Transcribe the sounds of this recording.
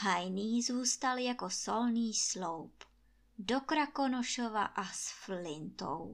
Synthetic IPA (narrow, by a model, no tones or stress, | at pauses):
ɦajniːzuːst̪aljakosolniːslowp | dokɾakonoʃova̰ʔasflɪnt̪o̰w